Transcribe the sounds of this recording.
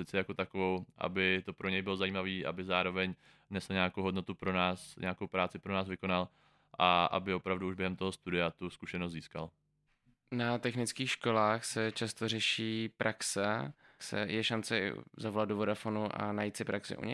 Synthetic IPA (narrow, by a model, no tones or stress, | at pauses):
sɪt͡sɛjakot̪akovowʔa̰bɪt̪opɾo̞ɲɛjbɪlozajiːmaviːʔa̰bɪzaːɾo̞vɛɲ | nɛsl̩ɲaːkowɦodnot̪upɾonaːsɲʔaːkowpɾaːt͡sɪpɾonaːzvɪko̞nal | ʔaʔa̰bɪo̞pɾavduuʒbjɛɦɛmt̪o̞ɦost̪udɪat̪uskuʃɛnost̪ziːskal | nat̪ɛxnɪt͡skiːxʃkolaːxsɛt͡ʃast̪orɛʃiːpɾʔaksɛ | sɛ̰jɛʃant͡sɛ̰zavolad̪dovodafonuʔa̰najit̪sɪpɾaksɪ̰ʔṵɲɛ̰